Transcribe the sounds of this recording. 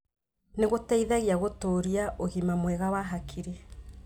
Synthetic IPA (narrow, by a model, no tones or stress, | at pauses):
neɣotɛiðaɣiaɣotoɾiaʔoɣimamwɛɣawaɦakʰiɾe